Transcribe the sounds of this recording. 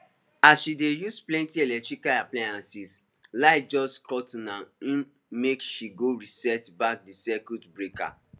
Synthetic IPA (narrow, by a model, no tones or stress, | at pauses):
asʃidejusplɛ̃ntiɛlɛk̚tɹikaaplaãnsis | laɪd͡ʒɔskʰɔtnãĩ | mekʃiɡoɹisɛtbak̚disɛkutbɹeka̰